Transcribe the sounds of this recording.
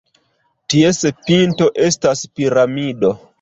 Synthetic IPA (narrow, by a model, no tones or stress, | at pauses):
tiese̞pinto̞ʔestaspiɾamido